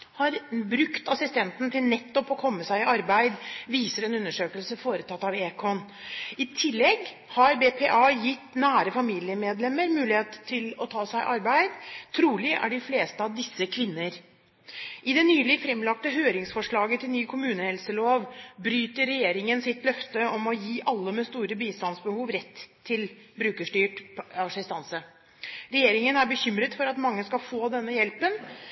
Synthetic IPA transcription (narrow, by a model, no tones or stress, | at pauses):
hɑɾbɾʉkt̪ɑsɪst̪ɛnt̪nt̪ʰɪlnɛt̪ːɔpɔkʰɔmːəsæɪɪɑɾbæɪd̪ʋiːsəɾɛnʉnːəʂøːkəlsəfoːɾət̪ʰɑt̪ːɑʋeːkʰɔn | ɪt̪ʰɪlːɛɡ | hɑɾbeːpʰeʔɑjɪt̪ːnæːɾəfɑmiːlɪəmeːd̪lɛmːəɾmʉːlɪheːt̪ʰːɪlɔt̪ʰɑːsæɪʔɑɾbæɪd̪t̪ʰɾuːlɪʔæ̰ɖɪfleːst̪əɑʋd̪ɪsːəkʰʋɪnːəɾ | ʔɪd̪ɛnyːlɪfɾɛmlɑk̚t̪əɦøːɾɪŋsfɔʂɭɑːɡət̪ʰɪlnyːkʰʊmʉːnəhɛlsəloːʋbɾyːt̪əɾːɛjeːɾɪŋənsɪt̪lœft̪əɔmɔjiːʔɑlːəmɛst̪uːɾəbiːst̪ɑnsbəhuːʋɾɛt̪ʰːɪlbɾʉːkəʂʈyːʈɑsɪst̪ɑnsə | ɾɛjeːɾɪŋənæɾbəçʏmɾət̪fɔɾɑt̪mɑŋːəskɑlfoːd̪ɛnːəjɛlpən